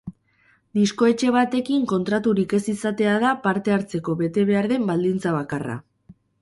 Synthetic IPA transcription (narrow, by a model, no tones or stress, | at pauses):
d̪isko̞e̞t͡ʃe̞β̞at̪e̞kiŋko̞nt̪ɾat̪uɾike̞sisat̪e̞aðapaɾt̪e̞aɾt͡se̞ko̞βe̞t̪e̞βe̞aɾðe̞mbald̪int͡saβ̞akara̰